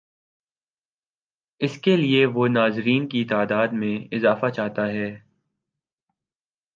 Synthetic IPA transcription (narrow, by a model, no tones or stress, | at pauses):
ɪskelieʋonaːzɾiːnkit̪aːd̪aːd̪mẽɪzaːfat͡ʃaːɦt̪aɦɛː